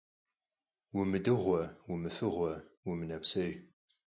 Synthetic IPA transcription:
wimɨdɨʁʷɐwimɨfɨʁʷɔwʊmɨnɐpsɐʒ

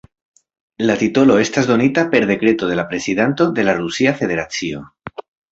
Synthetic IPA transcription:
lat̪ito̞lo̞e̞stazd̪o̞nitape̞ɾðe̞kɾe̞to̞ðe̞lapɾe̞siðant̪o̞d̪e̞larusiafe̞ðe̞ɾat͡sio̞̰

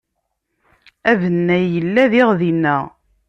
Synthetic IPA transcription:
ævənːæəlːæðɪʁðinːæ

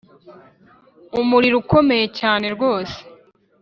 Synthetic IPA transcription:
umuɾiɾuko̞me̞je̞caːne̞ɾɡo̞ːse̥

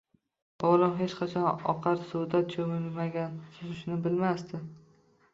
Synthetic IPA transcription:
ɒlɒmɦe̞t͡ʃqʰɑt͡ʃʰɒnɒ̰qʰɑɾsʊd̪at̪̚t͡ʃʰomlmaɡʲansozɪʃɪnɪbɪlmast̪ɪ

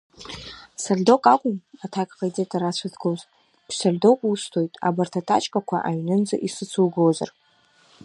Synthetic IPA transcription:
sardokʼakʷʼʊmatʰakʼqad͡zʼetʼaɾat͡ɕʷʰatʰɡoz | bsardo̞kʷʼustʰo̞jtʼa̰bartʰatʰa̰t͡ʃʼkʼakʷʰa̰ʔaɥnɨnd͡zʼaʔisɨt͡sʰuwɡawza̰r

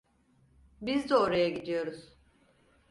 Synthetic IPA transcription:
bizd̪ɛoɾajaɡɟid̪ijo̞ɾuz̥

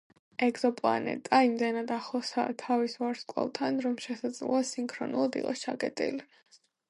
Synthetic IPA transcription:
ɛɡzɔpʼlˠa̰nɛ̰t̪ʼaimd̪ɛnad̪aχlˠɔsa̰t̪ʰavisvaɾskʼwɛ̰lˠt̪ʰanɾɔmʃɛsad̪zlɔasiŋkʰɾɔ̰nṵlˠad̪ḭqʼɔst͡ʃʰakʼɛt̪ʼḭli

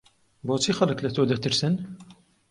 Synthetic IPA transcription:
boːt͡sʰixɐlɨklɛt̪ʰoːd̪ɛt̪ɨɾsɨn

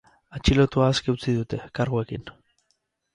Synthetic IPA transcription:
at͡ʃilo̞t̪uaːske̞ut͡siðut̪e̞kaɾɣue̞kin

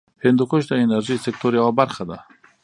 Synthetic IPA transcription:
hɪnd̪ukoʃd̪aenaɾʒisek̚t̪oɾjawabaɾxad̪a

